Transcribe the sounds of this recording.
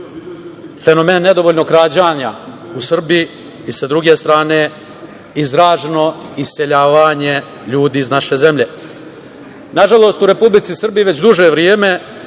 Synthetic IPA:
fe̞no̞meːnːe̞d̪o̞ʋoːʎno̞kɾaːd͡ʑaːɲa | usr̩bi | isad̪ɾuɡe̞st̪ɾaːne | izɾaːʒeno̞ise̞ʎaːʋaːɲe̞ | ʎuːd̪iːiznaʃe̞ze̞mʎe | naʒalˠo̞ːst̪uɾe̞publit̪sisr̩biʋe̞t͡ɕd̪uʒeʋɾjeːme̞

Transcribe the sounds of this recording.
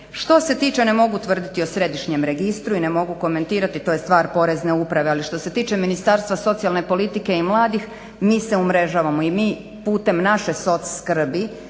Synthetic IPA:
ʃt̪o̞se̞t̪iːt͡ʃene̞mo̞ɡut̪ʋr̩d̪it̪io̞sɾe̞d̪iʃɲe̞mɾe̞ɡist̪ɾuine̞mo̞ɡuko̞me̞nt̪iːɾat̪it̪ojest̪ʋaːɾpo̞ɾe̞zneupɾaʋealiʃt̪o̞se̞t̪iːt͡ʃe̞minist̪aːɾst̪ʋaso̞t̪sijalˠne̞po̞lit̪ike̞imlˠaːd̪ix | miːse̞umɾe̞ʒaːʋamoimiː | puːt̪e̞mnaʃe̞so̞t̪sskr̩bi

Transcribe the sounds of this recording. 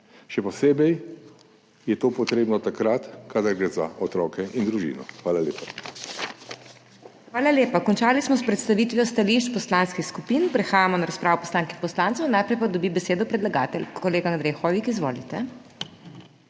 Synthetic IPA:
ʃɛpɔseːbɛj | jɛt̪oːpɔt̪ɾeːbnɔt̪akɾat̪kad̪aɾɡɾeːza̰ɔt̪ɾɔːkɛʔind̪ɾuʒḭːnɔ̰xʋaːlaleːpa | xʋaːlaljeːpakɔnt͡ʃaːlismɔspɾɛt̪st̪aʋit̪ʋjɔst̪aliʃt͡ʃpɔslanskixskupiːnpɾɛxaːjamɔnaɾaspɾaːʋɔpɔslaːŋkipɔslaːnt̪sɔwnajpɾɛjpad̪ɔbibɛseːd̪ɔpɾɛd̪laɡaːt̪ɛlkɔleːɡaːnd̪ɾɛjxɔːʋikizʋo̰ːlit̪ɛ

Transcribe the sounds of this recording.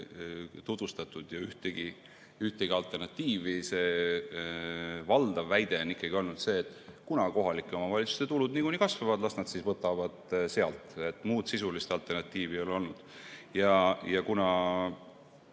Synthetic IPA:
t̪ud̪̥ust̪ɑt̪ːˑud̪̥jɑyht̪eɡi | yht̪eɡ̥iɑlt̪ˑe̞rnɑt̪ˑːiːvise̞ | vɑld̪̥ɑvːæjd̪̥e̞onikːˑɑɡio̞lnud̪se̞ːt̪ːˑkunɑko̞ɦɑlikːˑeo̞mɑvɑlit̪su̥st̪e̞t̪ulud̪nikunikɑsvɑvɑd̪lɑsnɑd̪sisvɤt̪ːˑɑvɑd̪̥se̞ɑlt̪ˑet̪ːˑmuːd̪̥sisulist̪ɑlt̪ˑe̞rnɑt̪ːˑiːvio̞lo̞lnud̪̥jɑjɑkunɑ

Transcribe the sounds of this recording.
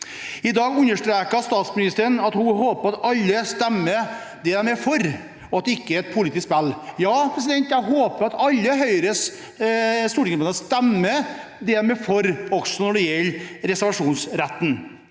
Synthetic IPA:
ɪd̪ɑːɡʉnːəʂʈɾeːkəst̪ɑːt̪smɪnɪst̪əɾəɳɑt̪hʊhoːpəɾɑt̪ɑlːəst̪ɛmːə | d̪ɛæɾmɛfɔɾ | ɔɑt̪̚d̪ɛɪkːəæɾɛt̪̚pʰʊlɪt̪ɪsspɛlːjɑːpʰɾɛs̬ɪd̪ɛnt̪jæɦoːpəɾɑt̪ɑlːəɦœʏɾəs | st̪uːɖɪŋpənɑst̪ɛmːə | d̪ɛæɾmɛfɔɾɔɡ̥sɔnɔɖɛjɛlːɾɛsæɾʋɑʂuːnsɾɛt̪ːn̩

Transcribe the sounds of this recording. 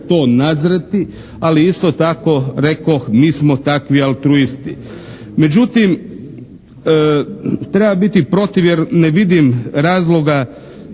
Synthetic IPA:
t̪o̞ːnazɾet̪i | aliist̪ot̪ako̞ɾekoxniːsmot̪akʋialt̪ɾuist̪i | me̞d͡ʒut̪im | t̪ɾe̞babit̪ipɾo̞t̪iʋje̞ɾneʋid̪imɾaːzlˠo̞ɡa

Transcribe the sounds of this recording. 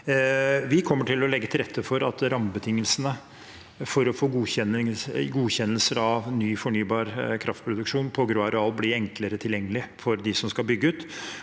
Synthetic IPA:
ʋɪkʰɔmːəʈʰɪlːɔlɛɡːət̪ʰɪlɾɛt̪ːəfɔɾɑt̪ɾɑmbət̪ʰɪŋːəlsənə | fɔɾɔfoːɡuːçɛnəɡuːçɛnːəlsəɾɑʋnyːfɔɳyːbɑːɾkʰɾʔɑft̪̚pʰɾʊd̪ʉkʂuːnpʰɔɡɾoːɑɾəɑlblɪɾɛŋkləɾət̪ʰɪljɛŋːəlɪfɔɾd̪ɪsɔmskɑlbʏɡːəʉːt̪

